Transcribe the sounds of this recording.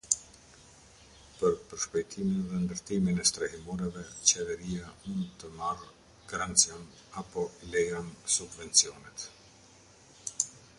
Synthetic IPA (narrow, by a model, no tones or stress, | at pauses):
pəɾpəɾʃpajt̪ʰiminðɛnd̪əɾt̪iminɛst̪ɾahimɔɾɛvɛt͡ɕɛvɛɾijamund̪t̪əmar | ɡaɾant̪t͡sjam | apɔlɛjamsubvɛnt͡siɔnɛt̪